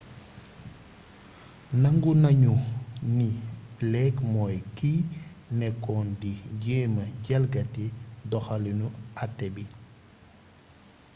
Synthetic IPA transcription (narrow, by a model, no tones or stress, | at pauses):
nɐŋɡunɐɲunilɛkmɔːjki | nɛkːɔːndiɟɛːmɐɟɛlɡɐtidɔxalinuatːɛbi